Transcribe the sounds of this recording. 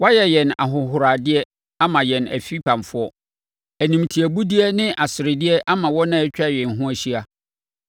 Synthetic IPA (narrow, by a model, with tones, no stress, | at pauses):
wa˦jɛ˨jɛ˨na̰˨ɦʊ̃˨ɦʊ˨ɾa˨dɪ˦ɛ˦ | a˦mã˨jɛ˨næ̰˨fi˦pʰã˨mfʊ˦ɔ˦ | æ˨nĩ˨mtʰi˨æ˨bu˦dɪ˦ɛ˦nɪ̃˦ʔa˨sɪ˨ɾɪ˨dɪ˦ɛ˦ʔa˦mã˨wɔ˦nã˦ɛ˦t͡ɕᶣa˦˨jɛ̃˨nɦʊ̃˦æ˨ɕi˦a˨